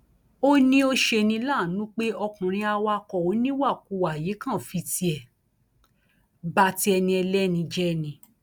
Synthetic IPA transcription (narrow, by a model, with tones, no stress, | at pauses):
o˦nĩ˦o˧ʃe˧nĩ˧˦la˦˨nũ˨˦k͡pe˦ɔ˧kũ˨ɾ̃ĩ˧a˧wa˧kɔ˨o˨˦nĩ˦wa˦˨ku˧˨wa˨je˨˦kã˦˨fi˧ti˧ɛ˨ | ba˧ti˦ɛ˧nĩ˧ɛ˧lɛ˦nĩ˧d͡ʒɛ˦˧˨nĩ˧